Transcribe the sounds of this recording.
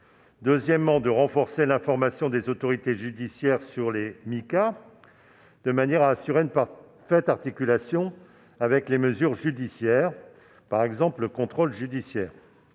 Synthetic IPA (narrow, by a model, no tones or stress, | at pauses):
d̪øzjɛmːɑ̃d̪əʁɑ̃fɔʁselɛ̃fɔʁmasjɔ̃d̪ezot̪ɔʁit̪eʒyd̪isjɛʁsyʁlemika | d̪̥əmanjɛʁaːsyʁeyn | fɛt̪aʁt̪ikʲylasjɔ̃ | avɛkleməzyʁʒyd̪isjɛːʁ | paʁɛɡzɑ̃pləkɔ̃t̪χolʒyd̪isjɛːʁ